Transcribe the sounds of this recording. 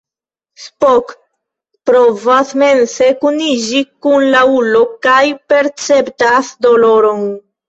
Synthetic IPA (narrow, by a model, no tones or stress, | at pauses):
spok | pɾovasmensekuniʒikunlaulokajpeɾt͡sept̪asd̪oloɾon